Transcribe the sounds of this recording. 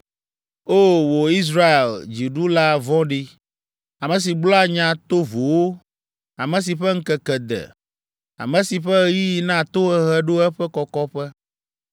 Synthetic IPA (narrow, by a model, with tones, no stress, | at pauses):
o˦wo˨i˦s̬ɾa˦e˨ld͡ʑi˨ɖu˦la˦vɔ̃˦ɖi˦ | a˨mɛ̃˨s̬i˨ɡ͡blɔ˦a˦ɲã˨t̪o˦vo˨wo˦ | a˨mɛ̃˨s̬i˨ɸɛ˦ŋ̩˦kɛ˨kɛ˨d̪ɛ̰˨ | a̰˨mɛ̃˨si˨ɸɛ˦ji˦ji˦nã˦t̪o˦ɛ˦ɦɛ˦ɖo˦ɛ˦ɸɛ˦kɔ˨kɔ˦ɸɛ˦